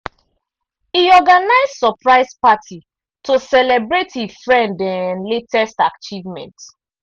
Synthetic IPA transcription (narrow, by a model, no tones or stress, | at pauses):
hiɔɡanaɪzsɔpɹaɪspatʰi | tosɛlɛbɹethifɹɛ̃ndãnletʰɛstakt͡ʃivmɛ̰̃nt